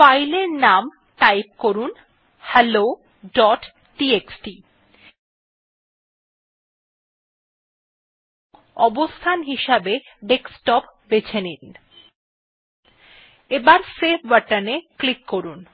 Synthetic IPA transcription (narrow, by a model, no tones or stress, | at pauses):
fajleɾnam | ʈajp̚koɾun | hɛlo | ɖɔʈ | ʈieksʈi | ŋ | ɔbost̪ʰanɦiʃabeɖeksʈɔpbet͡ɕʰenin | ebaɾsep̚ʰbaʈaneklikːoɾun